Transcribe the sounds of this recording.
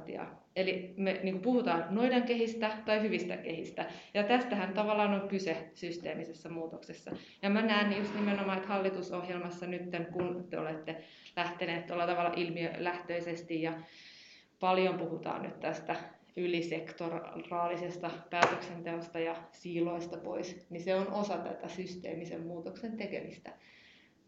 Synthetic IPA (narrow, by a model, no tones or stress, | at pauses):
t̪ḭɑ̰ | elimeniːŋkupuhut̪ɑːnnoideŋkehist̪æt̪ɑihyʋist̪æ̰kehist̪æjɑt̪æst̪æhænt̪ɑʋɑlːɑːnoŋkysesyst̪eːmisesːɑmuːt̪oksesːɑ̰ | jɑmænæːnːijust̪nimenomɑet̪hɑlːit̪usohjelmɑsːɑnyt̪ːeŋkunt̪eo̰let̪ːe | læht̪eneːt̪t̪olːɑt̪ɑʋɑlːɑ̰ʔilmiølæht̪øisest̪ijjɑ | pɑljompuhut̪ɑ̰ːnny̰t̪t̪æst̪æ | ylisekt̪orrɑːlisest̪ɑpæːt̪øksent̪eost̪ɑjɑsiːloist̪ɑpo̰isniseonʔosɑt̪æ̰t̪æsyst̪ḛːmisḛmmuːt̪oksent̪ekḛmist̪æ